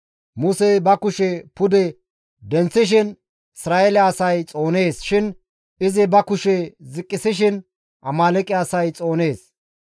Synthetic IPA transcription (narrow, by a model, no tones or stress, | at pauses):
mʊsebɐkʊʃɛpʊd̪ɛ | d̪ɛnt͡sːɪʃ̬ɪn | ɪsɾaːɛlɛɐsɐjt͡sʼo̞ːne̞ːsʃɪn | ɪzɪbɐkʊʃɛzɪkʼːɪsɪʃ̬ɪn | ʔɐmaːlɛkʼɪɐsɐjt͡sʼo̞ːne̞ːs